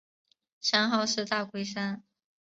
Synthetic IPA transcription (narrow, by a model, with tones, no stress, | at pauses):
ɕɑ˥ŋxɑ˥˧ʊʂɻ̩˥˧t̪a˥˩kwe˥ɪʂa˥n